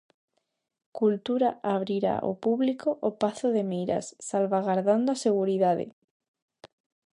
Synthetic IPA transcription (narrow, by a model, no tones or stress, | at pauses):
kult̪uɾaʔaβ̞ɾiɾa̰ʔo̰puβlikoʔopaθoðemejɾa̰sːalβaɣaɾðand̪oaseɣ̞uɾiðaðḛ